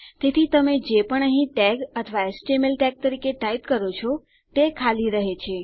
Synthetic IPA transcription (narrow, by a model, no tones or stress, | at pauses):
t̪et̪ʰit̪əmed͡ʒepəɳəɦĩʈɛɡət̪ʰəʋaesʈemelʈɛɡ̚t̪əɾikeʈait̪kəɾot͡ʃʰɔ | t̪ekʰaliɾəɦet͡ʃʰe